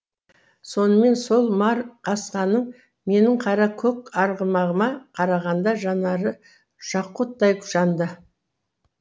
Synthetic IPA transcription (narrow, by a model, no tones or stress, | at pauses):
so̞nəme̞nso̞lˠmɑɾqʰɑsqɑnəɴ | me̞nɪɴqʰɑɾɑkʲʰɵkɑɾʁəmɑʁəmɑqʰɑɾɑʁɑnd̪ɑʒɑnɑɾə | ʃɑqːot̪̚d̪ɑjkʰʊ̥ʃɑnd̪ə